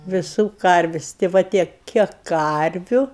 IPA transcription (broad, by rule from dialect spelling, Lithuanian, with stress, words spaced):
ʋʲɪˈsuː ˈkɐrʲʋʲɪsʲ tʲeː ˈʋɐ ˈtʲiɛk ˈkʲiɛk ˈkɐrʲʋʲʊ